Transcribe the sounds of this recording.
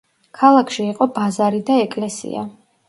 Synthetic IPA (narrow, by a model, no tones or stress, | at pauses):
kʰalˠakʰʃiːqʼɔbazaɾid̪aɛkʼlɛsḭa̰